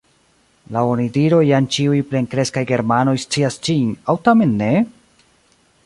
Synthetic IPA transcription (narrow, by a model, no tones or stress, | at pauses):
laonidiɾo̞jant͡ʃiujple̞ŋkɾe̞skajɡe̞ɾmano̞jst͡siast͡ʃinawtame̞nːe̞